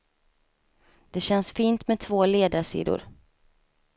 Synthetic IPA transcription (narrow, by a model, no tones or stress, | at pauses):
d̪̥ɛɕɛnsfiːnt̪mɛt̪ʰv̥oːleːd̪aʂḭːd̪ʊ̰ɾ